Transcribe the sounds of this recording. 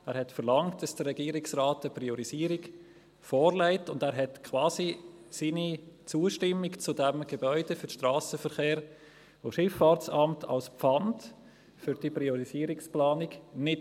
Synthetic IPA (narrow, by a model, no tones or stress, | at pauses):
æːɾhɛtfəɾlɑŋtd̥ɑsd̥əɾːɛɡ̥iːəɾɪksraːtəpriɔɾiziːəɾiɡ | fɔːɾlæɪtʊndæːɾɦɛtkʰʋɑːzisiːnit͡suəʃtɪmːikt͡sʊdɛmɡ̥ebœʏd̥əfʏɾʃtraːsəfəɾχeːɾ | voʃɪfːɑːɾt͡sɑmtʰɑ̰lspfɑnt | fʏɾd̥ipɾiɔɾiziːəɾiksplɑːniɡnɪt